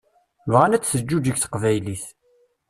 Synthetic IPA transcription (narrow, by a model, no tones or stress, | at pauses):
vʁanæt͡sːθəd͡ʒːud͡ʒiɡθə̥qvæjliθ